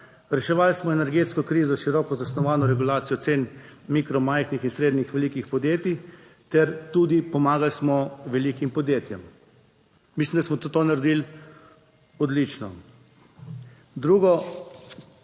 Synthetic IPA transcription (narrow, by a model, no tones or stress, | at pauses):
ɾɛʃɛʋalsmɔɛnɛɾɡeːt̪skɔkɾiːzɔʃiɾɔːkɔzasnɔʋaːnɔɾɛɡulaːt̪sijɔt̪seːnmiːkɾɔmajxnixinsɾeːd̪nixʋɛliːkixpɔd̪jeːt̪i | t̪ɛɾt̪uːd̪ipɔmaːɡalsmɔʋɛliːkimpɔd̪jeːt̪jɛm | mislimd̪asmɔt̪ot̪oːnaɾed̪il | ɔd̪lit͡ʃnɔ̰ | d̪ɾuːɡɔ